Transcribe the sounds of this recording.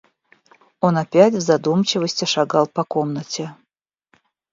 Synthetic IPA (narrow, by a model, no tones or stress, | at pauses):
onapʲætʲvzɐd̪umt͡ɕɪvəsʲtʲɪʂaɡɑlˠpɐkomnətʲe